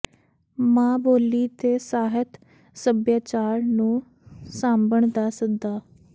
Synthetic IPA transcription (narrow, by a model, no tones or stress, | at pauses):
mãːboːliːt̪eːsaːɦət̪ | səbjaːt͡ʃaːɾnũː | saːmbəɳd̪aːsək̚d̪aː